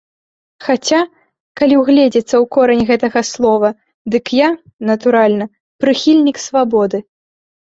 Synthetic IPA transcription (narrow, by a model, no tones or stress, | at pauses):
xat͡sʲa | kalʲiwɣlʲɛd͡zʲɛt̪sːɐwkɔɾɐnʲɣɛt̪ɐɣɐslˠɔvɐ | d̪ɨkja | nɐt̪uɾalʲnɐ | pɾɨxʲilʲnʲiksvabɔd̪ɨ